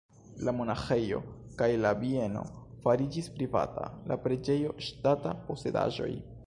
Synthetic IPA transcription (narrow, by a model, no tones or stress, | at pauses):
lamo̞naxe̞jo̞̰ | kajlavie̞no̞̰ | faɾid͡ʒispɾiva̰ta̰la̰pɾe̞d͡ʒe̞jo̞ʃtatapo̞se̞da̰ʒo̞̰j